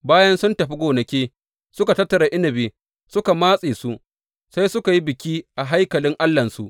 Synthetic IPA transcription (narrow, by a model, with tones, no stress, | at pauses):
baː˦jɐ˦nsʊ˦ntɐ˨ɸi˦ɡʷoː˨nɐ˨kʲeː˦ | sʊ˦ka˨tɐ˦tːɐ˨ɾa˨ʔɪ˦nɐ˨beː˨ | sʊ˦ka˨maː˦sʼeː˨su˦ʔ | sa˦jsʊ˦ka˨ji˦bɪ˨kʲiː˦ʔa˨ɦa˦jkɐ˨lɪ˦ŋʔa˦lːɐ˨nsu˦ʔ